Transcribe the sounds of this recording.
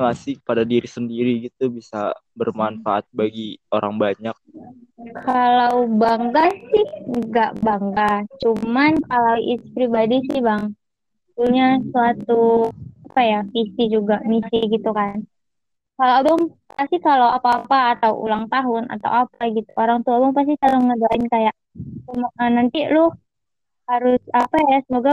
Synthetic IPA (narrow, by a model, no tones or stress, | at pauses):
lasipadadiɾisəndiɾiɡit̪ubisa̰ | bərmanfaʔa̰t̪̚baɡioɾa̰ŋbaɲak̚kʰalawbaŋɡasɪhŋɡaʔbaŋɡat͡ʃumankalawḭspɾibadisɪhbaŋ | ət̪ulɲasuat̪uapajafisid͡ʒuɡamisiɡit̪ukan | kaloabɔŋ | past̪ikalawapaːpaːt̪awṵlaŋt̪aɦʊna̰t̪a̰wapaɡit̪uʔoɾaŋt̪uabaŋpas̬ɪkaloŋədaɪnkajaʔ | sumənant̪ilʊh | haɾʊsapajasəmoɡa